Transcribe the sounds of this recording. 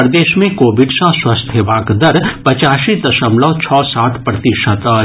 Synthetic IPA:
ɾd̪eːʃmẽkoːbɪɖsãswast̪ʰjəʋaːɡd̪əɾpɐt͡ʃaːʃid̪ɐʃəmlɔt͡ʃʰɔːsaːt̪ʰpɾɐt̪iʃət̪ə

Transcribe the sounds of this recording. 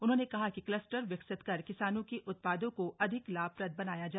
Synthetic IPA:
ʊnɦõːnekɐɦakiklɐsʈəɾʋɐksɪt̪kɐɾkɪsaːnõkiʔʊt̪̚paːd̪õkoʔɐd̪ʱɪklaːbpɾɐd̪̚bɐnaːjad͡ʒaː

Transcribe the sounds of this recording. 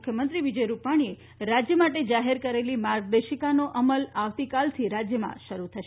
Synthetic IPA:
kʰjəmənt̪ɾiʋid͡ʒəjɾupaɽ̃ie | ɾad͡ʒjəmaʈed͡ʒaɦeɾkəɾelimaɾɡ̚d̪eʃikanoʔəməlaʋt̪ikalt̪ʰiɾad͡ʒjəmã̰ʃəɾut̪ʰəʃ

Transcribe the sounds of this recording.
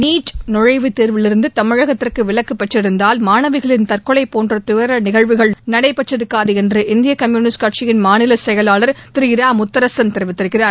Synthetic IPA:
niːʈnʊɻɐɪʋɯt̪eːɾʋɪlɪɾɯnd̪ɯt̪ɐmɪɻɐɣɐt̪ːɪrkɯʋɪɭɐkːɯpːɛʈrɪɾɯnd̪aːlmaːnɐʋɪɣɐɭɪnt̪ɐrkɔɭɐɪpoːndrɐt̪ʊjɐɾɐnɪɣɐɻʋɯɣɐɭnɐɽɐɪpːɛʈrɪɾɯkːaːðɯɛndrɯʔɪnd̪ɪjɐkɐmjuːnɪskaːʈ̚t͡ʃɪjɪnmaːnɪlɐsɛjɐlaːlɐɾt̪ɪɾɪjɪɾaːmʊt̪ːɐɾɐsɐnt̪ɛɾɯʋɪt̪ːɪɾɯkːɪraːɾ

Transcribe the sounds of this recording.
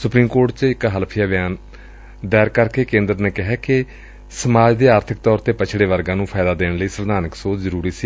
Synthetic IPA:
sʊpɾiːmkoːɾʈt͡ʃɪkɦəlpʰijaːʋɪjaːn | d̪ɛːɾkəɾkeːkẽːnd̪əɾneːkɪɦɛːkɪ | səmaːd͡ʒd̪eːaːɾt̪ʰɪk̚t̪ɔːɾt̪eːpət͡ʃʰɽeːʋəɾɡãːnũːpʰɛːd̪aːd̪eːɳləiːsəɾnaːnəksoːzəɾuːɾiːsiː

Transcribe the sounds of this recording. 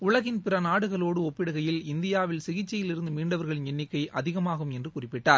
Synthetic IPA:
ʊɭɐɣɪnpɪrɐnaːɽɯɣɐɭoːɽɯɔpːɪɽɐɣɐjɪlɪnd̪ɪjaːʋɪlsɪɣɪt͡ʃːɐjɪlɪɾɯnd̪ɯmiːɳɖɐʋɐɾɣɐɭɲɛnːɪkːɐɪʔʔɐðɪɣɐmaːɣɯmɛndrɯkʊrɪpːɪʈːaːɾ

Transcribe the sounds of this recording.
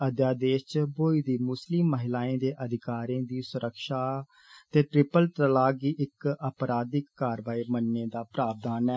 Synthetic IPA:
əd̪jaːd̪eːʃt͡ʃboːiːd̪iːmʊslɪmːəɦɪlaːẽːd̪eːʔəd̪ʱɪkaːɾẽːd̪iːsʊɾʔəkʃaː | t̪eːʈɾɪpəlʈ̪ɾəlaːɡiːʔɪkəpɾaːd̪ɪkːaːɾʋaːiːmənːeːd̪aːpɾaːb̚d̪aːnɛː

